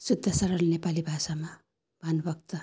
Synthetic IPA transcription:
sud̪ʱːʌsʌɾʌlnepalibʱasama | bʱanbʌk̚t̪ʌ

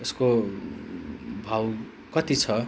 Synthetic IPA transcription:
esko | bʱaw | kʌt̪it͡sʰʌ

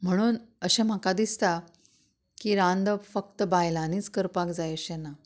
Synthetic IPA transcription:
m̤əɽ̃uːnəɕẽm̤akad̪ist̪a | kiɾãnd̪əfək̚t̪əbajlãniːt͡skəɾpakd͡zajəɕena

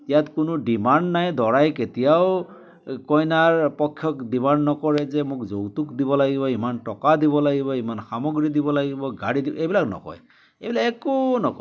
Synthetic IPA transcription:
jatkʊnʊdimandnajdɔɹajketijaw | kɔjnaɹpɔkʰːjɔkdimannːɔkɔɹɛzɛmʊkzowtukdiβɔlaɡibɔimantɔkadiβɔlaɡibɔimanxamɔɡɹidibɔlaɡibɔɡaɹidibɔejbilaknɔ̰kɔ̰j | ebilakɛkonɔkɔ

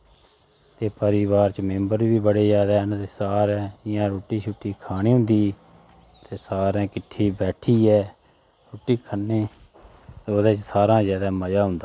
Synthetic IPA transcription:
t̪eːpəɾɪʋaːɾt͡ʃmẽmbəɾʋiːbəɽeːzaːd̪aːɦnːt̪eːsaːɾɛ̃ːɪjãːɾoːʈiːt͡ʃʰʊʈːiːkʰaːniːɦʊ̃nd̪iː | t̪eːsaːɾɛ̃ːkɪʈʰːiːbɛːʈʰiːɛː | ɾoːʈiːkʰənːeː | oːd̪eːt͡ʃsaːɾãːzjaːd̪aːməd͡ʒaːɦʊ̃nd̪aː

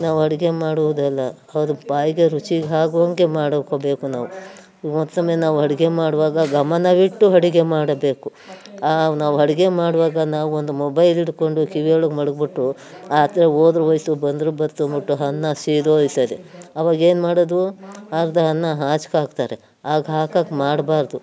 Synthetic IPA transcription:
naːʋuɦɐɽiɡe̞maːɽuʋud̪ɛlːɐːʋɐd̪upaːjiɡeɾut͡ʃiɡɦaːɡuʋɐŋɡemaːɽɐkobe̞ːkunaːʋu | mɔt̪ːɐmːenaːʋuɦɐɽiɡe̞maːɽuʋaːɡɐɡɐmɐnɐʋiʈːuɦɐɽiɡe̞maːɽɐbe̞ːku | anaːʋuɦɐɽiɡe̞maːɽʋaːɡɐnaːʋuond̪umɔbɐjliɽko̞ɳɖukiʋiɐɭuɡmɐɽɐɡbiʈːu | aːt̪ɾeoːd̪ɾuʋɐjsubɐnd̪ɾubɐɾt̪umbiʈːuɦɐnːɐsiːd̪oːjisɐd̪eɐʋaːɡe̞ːnmaːɽɐd̪uaɾd̪ɐɦɐnːɐɦaːt͡ʃkaːɡ̚t̪aːɾe | aːɡɐɦaːkaːɡmaːɽbaːɾd̪u

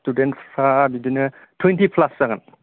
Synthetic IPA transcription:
studentpʰabidinɐ | tʰwentipʰlasːaŋan

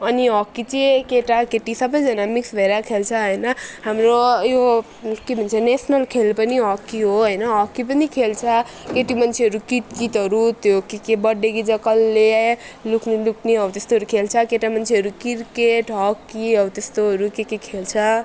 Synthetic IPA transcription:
ʌniɦʌkːit͡sekeʈakeʈisʌbʌjd͡zʌnamiksbʱʌeɾakʰelt͡sʰʌɦʌjnʌɦamɾojo | kebʱʌnt͡sʰʌnesnʌlkʰelpʌniɦʌkːiɦoɦʌjnʌɦʌkːip̬ʌnikʰelt͡sʰʌ | keʈimʌnt͡sʰeɦʌɾukit̪̚kit̪ɦʌɾut̪jokekebʌɖːekid͡zʌkʌlːe | lukʰnelukʰneɦʌut̪est̪oɦʌɾukʰelt͡sʰʌkeʈamʌnt͡sʰeɦʌɾukiɾkeʈɦʌkːiʌut̪est̪oɦʌɾukekekʰelt͡sʰʌ

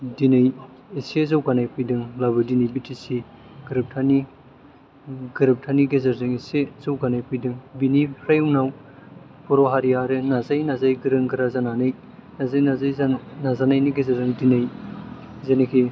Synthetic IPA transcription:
dinɯj | isezawɡanajpʰɯjdɯŋlabɯdinijbitʰisiɡɯɾɯp̚tʰani | ɡɯɾɯp̚tʰaniɡezɐɾzɯŋisezawɡanajpʰɯjdɯŋbiniɾajunaw | pʰuɾoɦaɾijaɾɯnazajnazajɡiɾɯŋkɯɾazananɯj | nazajazajnazanajniɡezɐɾzɯŋdinaj | zenekʰi

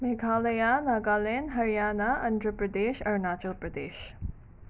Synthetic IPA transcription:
meɡʱaːlɐjanaɡaːlenɦɐɾijaːnaʔɐ̃nd̪ɾəpɾɐd̪eːʃɐɾnaːt͡ʃəlpɾɐd̪eːʃ

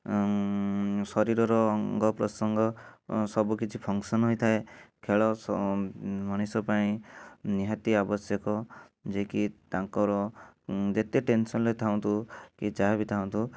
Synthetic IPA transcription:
sɔɾiɾɔɾɔŋɡɔpɾɔsɔŋɡɔsɔbukit͡ʃʰipʰɔŋsɔnɦojt̪ʰaekʰeɭɔs | mɔɽ̃isɔpaĩniɦat̪iabɔsjɔkɔ | d͡ʒekit̪aŋkɔɾɔ | d͡ʒet̪eʈensɔnlet̪ʰaw̪̃t̪ukit͡ʃaɦebit̪ʰaũt̪u

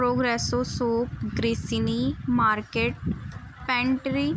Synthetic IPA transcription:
ɾoːɡɾɛːsoːsoːpɡɾiːsinimaːɾkeːʈ̚ | pɛ̃ɳʈɾi

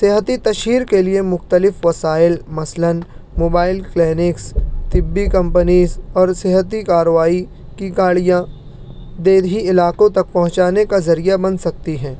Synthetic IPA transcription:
sɪɦət̪it̪ɐʃiːɾkeliemʊxt̪əlɪfʋɐsaːɪlmɐslənmoːbaːɪlklɛːnɪkst̪ɪbːikɐ̃mpənizɔːɾsɪɦət̪ikaːɾəʋaːi | kiɡaːɭijã | d̪eːd̪ɦiɪlaːkõt̪ɐk̚pɐ̃ɦʊ̃t͡ʃaːnekazɐɾijabɐnsɐk̚t̪iɦɛ̃ː

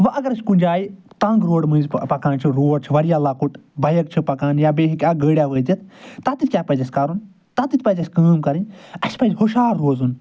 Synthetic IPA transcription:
ʋɐʔɐɡɐɾɐsʲkund͡ʒʲaːji | t̪ɐ̃ŋɡɾoːɽmɐ̃ːnzʲpɐkãːnt͡ʃʰiɾoːɾ̚t͡ʃʰiʋɐɾijaːlakuʈbɐjɐkt͡ʃʰipɐkaːnjabeːɦikʲaɡəːɽʲjaːʋəːd̪ʲit̪̚ʰt̪at̪it̪̚ʲkʲjaːpɐzʲɐsʲkaːɾun | t̪at̪it̪ʲpɐzʲɐsʲkəːmkɐɾinʲɐsʲpɐzʲhoʃaːɾːoːzun

